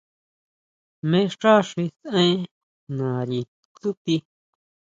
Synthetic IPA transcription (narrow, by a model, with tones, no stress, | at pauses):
mẽ˦ʂʈ͡ʂa˦ʂi˧sẽ˦ | nã˨ɾi˨ | t͡su˦t̪i˧